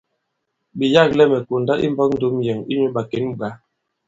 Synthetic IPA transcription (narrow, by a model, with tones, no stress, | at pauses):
ɓi˨ja˦˨k̚lɛ˦mɛ˨ko˨nda˦ʔḭ˦m˦bɔ˦k̚n̩˦do˦mjɛ˨ŋi˦ɲu˦ɓa˨ke˦nɡ͡ba˨˦